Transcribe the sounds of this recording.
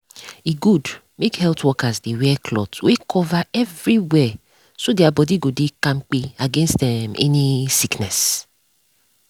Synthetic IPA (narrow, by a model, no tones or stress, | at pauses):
eɡud | mekhɛltʰwɔkazdewɛkʰlɔtwekʰɔvaɛvɹiwɛ | sodeabɔdiɡodekãmk͡peaɡɛ̃nstdɛ̃mɛ̰nisiknɛs